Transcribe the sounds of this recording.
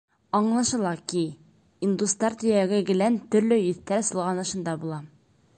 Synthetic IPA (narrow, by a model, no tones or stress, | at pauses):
ɒɴlˠɑʃɤ̆lˠɑki | ind̪ust̪ɑɾt̪ɵ̆jæɡɘɡɘ̆lænt̪ɵ̆ɾlɘjɵ̆θt̪æɾsɤ̆lˠʁɑnɤ̆ʃɤ̆nd̪ɑbulˠɑ